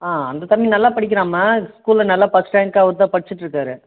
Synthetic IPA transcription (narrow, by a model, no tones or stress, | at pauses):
aːɐnd̪ɐt̪ɐmːinɐlːaːpɐɽɪk̬ːɪɾaːmaskuːlɐnɐlːaːpɐsʈaːŋkaːʋɐɾɯt̪̬ãːpɐɽɪt͡ʃːɯʈːɾɯkːaːɾɯ